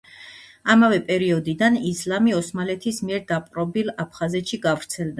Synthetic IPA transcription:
amavɛpʼɛɾiɔd̪id̪anislamiɔsmalɛt̪ʰismiɛɾd̪apʼɾɔbilapʰχazɛt̪ʃiɡavɾt̪sʰɛlˠd̪a

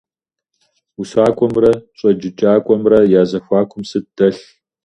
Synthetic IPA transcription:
usaːkʷʼɔmrɐɕʼɐd͡ʒɪt͡ʃʼaːkʷʼɔmrɐjaːzɐxʷaːkʷʰʼʊmsɨd̥ɐɬ

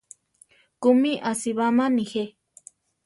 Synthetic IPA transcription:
kumiʔasiβamanixe

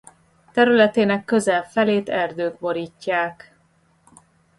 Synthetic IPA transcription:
t̪ɛɾylɛt̪eːnɛkːø̞zɛlfɛleːt̪ɛrd̪øːɡ̚bo̞ɾiːcːaːk

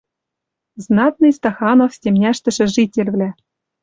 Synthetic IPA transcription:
znɑt̪̚nɨjst̪ɑxɑnofsʲtʲemnʲæʃt̪ɘ̆ʃɘ̆ʒitʲĕlʲvlʲæ

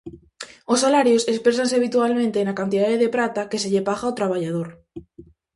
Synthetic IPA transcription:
osːalaɾjosespɾe̞s̬ans̬eaβ̞it̪ualmẽnt̪eːnakant̪iðaðeðe̞pɾat̪ake̞seʎe̞paɣaːwt̪ɾaβaʝað̞oɾ

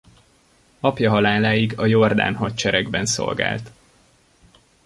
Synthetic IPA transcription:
ɒpjɒɦɒlaːlaːjiɡɒjo̞rd̪a̰ːnɦɒc̚t͡ʃɛɾɛɡbɛnso̞̰lɡa̰ːlt̪

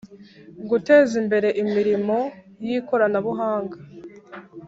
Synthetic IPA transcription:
ɡute̞ːzimbe̞ɾe̞ʔimiɾimo̞ | jiko̞ɾanaβuɦaːŋɡa

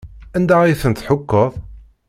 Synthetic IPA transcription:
ænd̪aiθənθħʊkːəðˤ

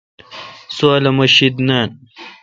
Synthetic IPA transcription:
suɐlɐmɐɕid̪naːn

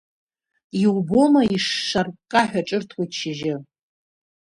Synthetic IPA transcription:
iwbomaiʂːarkʼaħʷᶣaʈ͡ʂʼɨrtʰwojt͡ʃʰiʒɪ

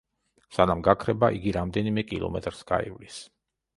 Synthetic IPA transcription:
sanamɡakʰɾɛbaʔiɡiɾamd̪ɛnimɛkʼilˠɔ̰mɛt̪ʼɾsɡa̰ḭvlis

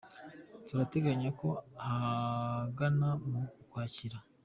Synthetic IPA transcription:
tuɾate̞ɡaɲako̞ha | ɡanamukwaːciɾa

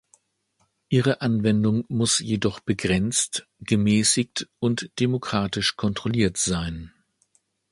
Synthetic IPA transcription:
ʔiːʁəʔanvɛndʊŋmʊsjedɔχb̥əɡʁɛnt͡stɡ̥əmɛːsɪktʊntd̥emokʁ̥aːtɪʃkʰɔntʁ̥oliːɐtz̥aɪn

